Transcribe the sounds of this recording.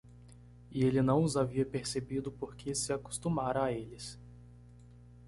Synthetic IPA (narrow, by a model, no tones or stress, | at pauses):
ɪelɪnɐ̃w̃ʊzaviɐpeɾsebid̪ʊpoɾkʰɪsɪaku̥st̪umaɾɐaelɪs